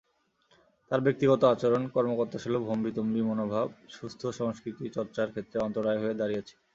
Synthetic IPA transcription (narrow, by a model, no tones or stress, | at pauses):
t̪aɾbek̚t̪iɡɔt̪oat͡ɕoɾonkɔɾmokoɾt̪aʃelobʱombit̪ombimonobʱabʃust̪ʰoʃɔŋskɾit̪it͡ɕɔɾt͡ɕaɾkʰet̪ːɾeɔnt̪oɾaeɦoed̪aɾijet͡ɕʰe̥